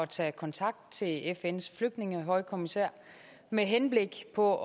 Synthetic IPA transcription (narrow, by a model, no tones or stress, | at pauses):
ɒt͡sʰɛ̰ːkʰɒ̽nt͡sʰɑ̈ɡ̥̚d̥̚t͡sʰe̝lefensfløɡ̥̚d̥ne̝ŋəɦɒ̽ɪkʰo̝misæɐ̰ | meɦenb̥le̝ɡ̥pʰɒ̽